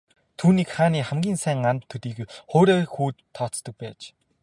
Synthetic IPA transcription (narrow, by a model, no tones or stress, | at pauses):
t̪ʰuːniːkχaːniːχamɡʲiːnsæŋant̪ʰːɵɾiːɡxoːɾeːxuːt̪ʰːɔt̪t̪ə̆k̚pæːt͡ɕ